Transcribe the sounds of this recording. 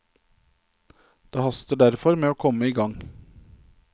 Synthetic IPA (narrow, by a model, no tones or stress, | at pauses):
d̪̥eːhɑst̪əɖæɾfɔɾmeːoːkʰɔməiːɡɑŋ